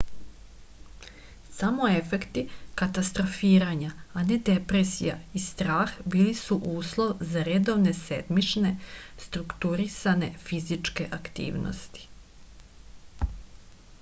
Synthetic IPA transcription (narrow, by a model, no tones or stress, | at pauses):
samo̞e̞fe̞kt̪ikat̪ast̪ɾo̞fiːɾaɲaane̞d̪e̞pɾe̞sijaist̪ɾaːxbiːlisuʔuːslˠo̞ʋzaɾe̞d̪o̞ʋne̞se̞̰d̪mit͡ʃne̞st̪ɾukt̪uɾisane̞fizit͡ʃke̞ʔakt̪ḭːʋno̰st̪i̥